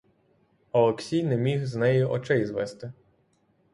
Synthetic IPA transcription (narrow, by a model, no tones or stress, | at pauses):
ɔlˠɔksʲijnɛmʲiɣznɛjʊʔɔt͡ʃɪjzʋɛst̪ɪ